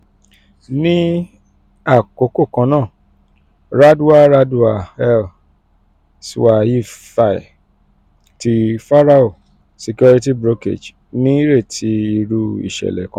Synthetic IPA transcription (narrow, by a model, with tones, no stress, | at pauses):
nĩ˦ | a˦˨ko˨˧˨ko˦˨kã˧˦nãː˦˨ | ɾa˦du˦a˦ɾa˧du˧˦a˨ɛ˦l | si˦˧wa˧ji˦fa˨i˨ | ti˧fa˦ɾa˦o˦˨ | se˧ku˦ɾi˦ti˦bɾo˦kḛ˦˨d͡ʒ | nĩ˦i˦ɾe˦˨tʰi˨˦i˧ɾu˧ḭ˦˨ʃɛ̰˨lɛ̰˨kã˨˧